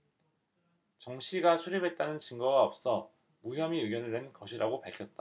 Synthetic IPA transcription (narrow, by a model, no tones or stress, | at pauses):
t͡ɕʌŋɕʰiɡasʰuɾibʱe̞t̚t͈anɯnt͡ɕiŋɡʌɡaʌp̚s͈ʌ | muɦjʌmiɯɡjʌnɯɭwe̞nɡʌɕʰiɾaɡopaɭkʰʌt̚t͈a